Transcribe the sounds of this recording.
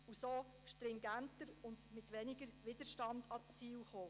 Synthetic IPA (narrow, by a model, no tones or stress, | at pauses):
usoː | ʃtɾɪŋɡæntəɾʊndmɪtʋɛnɪɡəɾʋɪd̥əɾʃtɑndɑt͡st͡siːwχoː